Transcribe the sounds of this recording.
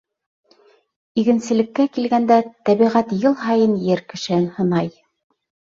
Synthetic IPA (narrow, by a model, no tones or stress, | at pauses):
iɡɘ̆nsɘ̆lɘ̆kːækilɡænd̪æt̪æβiʁæt̪jɤlˠɦɑjɤnjɘɾkɘ̆ʃɘ̆ɘnhɤ̆nɑj